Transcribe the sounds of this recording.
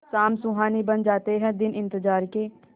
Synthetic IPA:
saːmsʊɦaːnibɐnd͡ʒaːt̪eɦɛ̃d̪ɪnɪ̃nt̪əd͡ʒaːɾkeː

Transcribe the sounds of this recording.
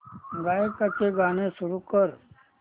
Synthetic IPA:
ɡaːekat͡ʃeɡaːnesʊɾukəɾ

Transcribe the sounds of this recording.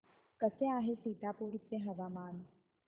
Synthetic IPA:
kəseaɦesit̪apuɾit͡sːeɦəʋamaːn

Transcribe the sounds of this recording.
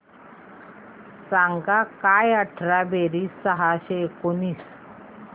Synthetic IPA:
saŋɡakajəʈʰɾabeɾiːsəɦaɕekoniːs

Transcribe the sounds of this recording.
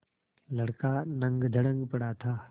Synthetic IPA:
lɐɽkanɐ̃ŋɡd̪ʱəɽə̃ŋɡpɐɽat̪ʰaː

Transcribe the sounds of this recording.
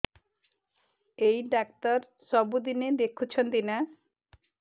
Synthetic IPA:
ejɖak̚tɔɾ | sɔbud̪ined̪ekʰut͡ʃʰɔnt̪ina

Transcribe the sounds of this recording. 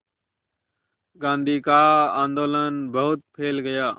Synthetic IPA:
ɡãːnd̪ʱiːkaːãːnd̪oːlənbəɦʊt̪̚pʰeːlɡəjaː

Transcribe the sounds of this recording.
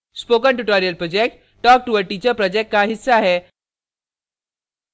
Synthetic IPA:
spokəɳʈuʈɔɾiəlpɾɔd͡ʑek̚ʈ | ʈɔk̚ʈuʋəɾʈit͡ɕəpɾɔd͡ʑek̚ʈ̚kaɦisːaaɦe

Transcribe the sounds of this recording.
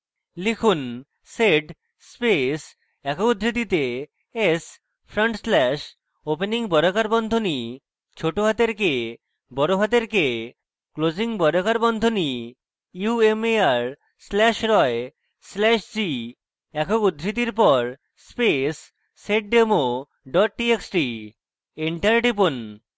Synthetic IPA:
lekʰun | seɖ | spes | ɛkoud̪ʱɾit̪̬it̪e | es | pʰɾoɳʈslɛʃ | openiŋbɔɾokaɾbɔnd̪ʱoni | t͡ɕʰoʈoɦat̪eɾke | bɔɾoɦat̪̬eɾke | klod͡ʑiŋbɔɾokaɾbɔnd̪ʱoni | iuemeaɾ | slɛʃɾɔe | slɛʃd͡ʑi | ɛkʰoud̪ʱːɾit̪̬iɾpɔɾ | spesː | eʈ̚ɖemo | ɖɔʈ̚ʈieksʈi | eɳʈaɾɖipon

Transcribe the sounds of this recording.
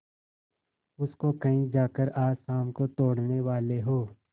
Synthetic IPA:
ʊskokɐĩd͡ʒaːkəɾaːsaːmkot̪oːɽneʋaːleɦoː

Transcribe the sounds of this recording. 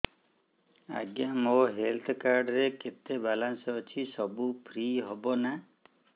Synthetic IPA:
a̰ɡjamoɦelt̪ʰkaɾɖɔɾeket̪ebalansɔːt͡ʃʰisɔbupʰɾiɦɔbɔna

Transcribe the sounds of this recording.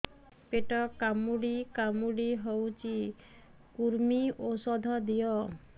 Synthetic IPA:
peʈɔkamuɽikamuɽiɦewt͡ʃʰi | kuɾmiosɔd̪ʱɔd̪ijɔ

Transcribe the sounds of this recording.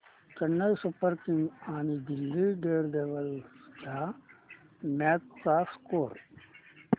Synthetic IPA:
t͡ʃɐnːɐjsupɐɾkiŋɡaːnibilːiɖeːɾd̪eːʋɐld͡ʒaː | maːt̪saːskoːɾ

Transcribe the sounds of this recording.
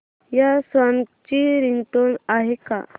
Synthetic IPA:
jasʋaŋt͡ɕiɾiŋɡʈoɳaɦeka̰

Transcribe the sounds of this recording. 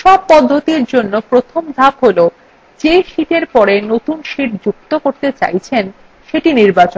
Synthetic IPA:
ʃɔb̚pɔd̪ʱːot̪iɾd͡ʑonːopɾot̪ʰomd̪ʱabɦolo | d͡ʑeʃiʈeɾpɔɾenot̪unʃiʈd͡ʑuk̚t̪okoɾt̪et͡ɕa̰jt͡ɕʰen | ʃeʈiniɾbat͡ɕo

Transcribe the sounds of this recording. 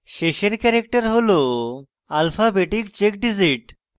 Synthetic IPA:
ɕeɕeɾkɛɾek̚ʈəɾɦolo | alfabeʈik̚t͡ɕek̚ɖid͡ziʈ

